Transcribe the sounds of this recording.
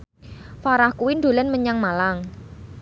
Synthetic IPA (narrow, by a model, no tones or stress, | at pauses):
faɾahkuwinɖ̪o̤lənməɲaŋmalaŋ